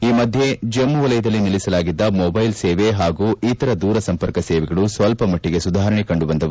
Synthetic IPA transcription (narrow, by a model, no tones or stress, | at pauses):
iːmɐd̪ʱjed͡ʒɐmːuʋɐlɐjɐd̪ɐlːiniɭisɐlaːɡid̪ːɐmoːbɐjlseːʋeɦaːɡuːit̪ɐɾɐd̪uːɾɐsɐmpɐɾkɐsɛːʋɛɡɐɭusʋɐlpɐmɐʈːiɡe̞sud̪ʱaːɦɾɐɳɛkɐɳɖubɐnd̪ɐʋu